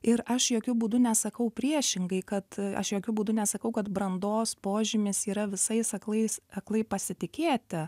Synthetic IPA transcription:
ɪɾɐʃjoːkʲʊbuːd̪ʊnʲɛsɐkɐʊpʲɾʲiɛʃʲɪŋɡɐɪkɐt̪ɐ̰ʃjoːkʲʊbuːd̪ʊnʲɛsɐkɐʊkɐt̪bɾɐnd̪oːspoːʒʲɪmʲɪsiːɾɐʋʲɪsɐɪsɐklˠɐɪsɐklˠɐɪpɐsʲɪt̪ʲɪkʲeːt̪ʲɪ

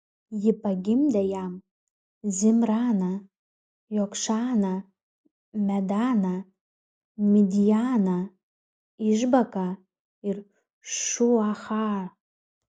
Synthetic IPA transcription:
jɪpaɡʲɪmd̪ɛjam | zʲɪmrana | jokʃana | mʲæd̪ana | mʲid̪ʲijana | ɪʒbaka | ɪr | ʃuaχɑ

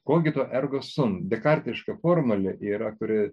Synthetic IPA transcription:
koːk̬ʲɪt̪oːʔɛrɡoːsʊmd̪ʲɛkɐɾʲt̪ʲɪʃkɐfoːrmʊlʲɛʔiːɾɐkʊɾʲɪ

